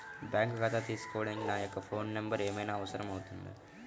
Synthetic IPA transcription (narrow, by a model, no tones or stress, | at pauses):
bãːŋkɡat̪ʰat̪iːskoːɽẽːŋɡinaːjɐkːfʰoːnːɐmbəɾeːmeːnaɐʋsɐɾɐmɦoːt̪und̪a̰